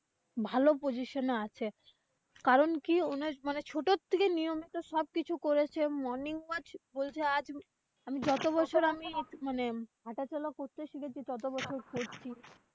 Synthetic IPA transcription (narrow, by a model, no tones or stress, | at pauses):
bʱalopod͡ʑiʃoneat͡ɕʰe | kaɾonkionemanet͡ɕʰoʈot̪ʰːekenijomit̪oʃɔb̚kit͡ɕʰukoɾet͡ɕʰemɔɾniŋbad͡ʑbolt͡ɕʰead͡ʑ | amid͡ʑɔt̪oβɔt͡ɕʰoɾamiemaneɦaʈat͡ɕɔlakoɾt̪eʃiket͡ɕʰit͡ɕɔt̪̬obɔt͡ɕʰoɾkoɾt͡ɕʰi